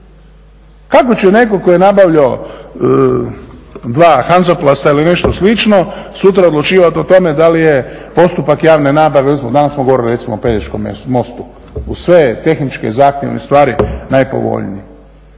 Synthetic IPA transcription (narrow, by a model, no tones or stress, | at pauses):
kako̞t͡ɕene̞kokojenabaʋʎo | d̪ʋaːxanzoplast̪ailine̞ʃt̪oslit͡ʃnosut̪̬ɾaod̪lut͡ʃiːʋat̪ot̪o̞med̪alijepo̞st̪upakjaːʋne̞naːbaʋeoesimod̪anassmoɡooɾiliɾe̞t̪simoːped̪et͡ʃkomḛmo̞st̪u | usʋet̪e̞xnit͡ʃkḛzaːxt̪jeʋnḛst̪ʋaːɾinajpo̞̰ʋo̞̰ʎnḭje